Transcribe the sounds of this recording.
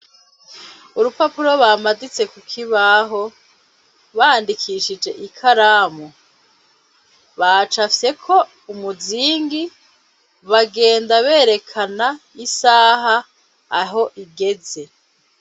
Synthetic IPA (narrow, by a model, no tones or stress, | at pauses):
uɾupapuɾo̞βaːmadit͡se̞kukʰiβaɦo̞ | βaːndikʰiʃid͡ʒe̞ʔikʰaɾaːmu | βat͡ʃafje̞kʰo̞ | umuziːŋɡi | βaɡe̞ːndaβe̞ːɾe̞kʰana | isaːɦa | aɦo̞ʔiɡe̞ze̞